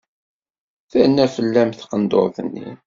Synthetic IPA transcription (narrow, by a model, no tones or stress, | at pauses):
θænːæfəlːæmθqənd̪o̰ɾθənːḭn